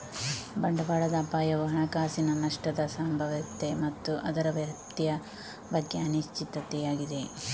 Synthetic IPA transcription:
bɐɳɖɐbaːɭɐd̪aːpaːjɐʋuɦɐɳɐkaːsinɐnɐʂʈɐd̪ɐsɐmbʱɐʋɐt̪emɐt̪ːuʔɐd̪ɐɾɐʋjɐt̪ijɐ | bɐɡːeɐniʃt͡ʃit̪ɐt̪ejaːɡid̪e̞

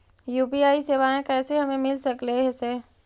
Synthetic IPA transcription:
juːpiaːiseːʋaːẽkɛːseɦɐmẽmɪlsɐkleɦɛseː

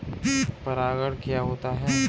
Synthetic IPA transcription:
pɐɾaːɡəɽkijaɦoːt̪aɦɛ

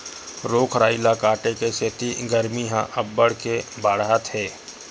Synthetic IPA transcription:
ɾoːkʰɾaːɪlakaːʈekeset̪iɡəɾmiɦãʔɐbːəɽkebaːɽɦat̪ɦɛː

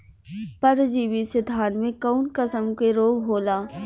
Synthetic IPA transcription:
pɐɾd͡ʒiːʋisɪd̪ʱaːnmẽkaːnkəsəmkeɾoːɡɦoːlaː

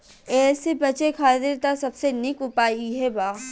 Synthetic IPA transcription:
ɛːsebɐt͡ʃekʰaːt̪ɪɾt̪asɐbsenɪkʊpaːiɦɛbaː

